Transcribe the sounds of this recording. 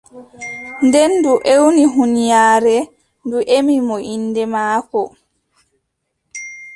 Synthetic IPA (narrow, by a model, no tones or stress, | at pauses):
ndɛnduʔewniɦunijaːɾɛ | nduʔemimɔʔinːdɛmaːkɔ